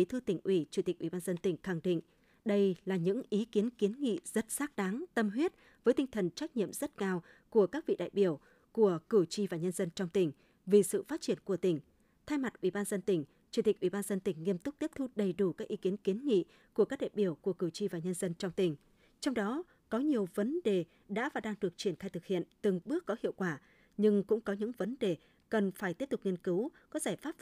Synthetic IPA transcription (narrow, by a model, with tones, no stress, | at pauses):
i˨˦t̪ʰɨ˧t̪ï˧˩ŋ̟ʔi˧˩t͡ɕu˧˩t̪i˨˩k̟̚ʔi˧˩ɓaː˧nzə˧nt̪ï˧˩ŋ̟xa˧˩ŋɗḭ̈˧˨ŋ̟ | ɗə˧jlaː˨˩ɲɨ̰˧˥ŋʔi˨˦ki˨˦ənki˨˦ənŋḭ˧˨z̥ə˦˥t̚saː˦˥k̚ɗa˨˦ŋt̪ə˧mɦwi˦˥ət̚ | vəː˨˦jt̪ï˧ŋ̟t̪ʰə˨˩nt͡ɕa˦˥k̟̚ɲḭ˧˨əmzə˦˥t̚kaː˧w | ku˧˩əkaː˦˥k̚vḭ˧˨ɗa̰ː˧˨jɓi˧˩əw | ku˧˩əkɨ˧˩t͡ɕi˧vaː˨˩ɲə˧nzə˧nt͡ɕɔ˧wŋ͡mt̪ï˧˩ŋ̟ | vi˨˩sɨ̰˧˨faː˦˥t̚t͡ɕi˧˩ənku˧˩ət̪ï˧˩ŋ̟ | t̪ʰaː˧jma˨˩t̚ʔwi˧˩ɓaː˧nzə˧nt̪ï˧˩ŋ̟ | t͡ɕi˧˩t̪i̟˨˩ʔwi˧˩ɓaː˧nzə˧nt̪ï˧˩ŋ̟ŋːi˧əmt̪ʊ˦˥k͡p̚t̪i˦˥əp̚t̪ʰu˧ɗə˨˩jɗu˧˩kaː˦˥k̚ʔi˨˦ki˨˦ənki˨˦ənŋḭ˧˨ | ku˧˩əkaː˦˥ɗa̰ː˧˨jɓi˧˩əwku˧˩əkɨ˧˩t͡ɕi˧vaː˨˩ɲə˧nzə˧nt͡ɕɔ˧ŋ͡mt̪ï˨˩ŋ̟ | t͡ɕɔ˧wŋ͡mɗɔ˨˦ | kɔ˨˦ɲi˨˩əwvə˨˦nɗe˨˩ | ɗa̰ː˧˥vaː˨˩ɗaː˧ŋɗɨ˨˩ək̚t͡ɕi˧˩ənxaː˧jt̪ɨ˨˩k̚hḭ˧˨ənt̪ɨ˨˩ŋɓɨ˦˥əkːɔ˨˦hḭ˧əwkwaː˧˩ | ɲɨ˧ŋkʊ̰˧˥ŋ͡mkɔ˨˦ɲɨ̰˧˥ŋvə˨˦nɗe˨˩ | kə˨˩nfaː˧˩jt̪i˦˥əp̚t̪k͡p̚ŋi˧ənkɨ˨˦wkɔ˨˦zaː˧˩jfaː˦˥p̚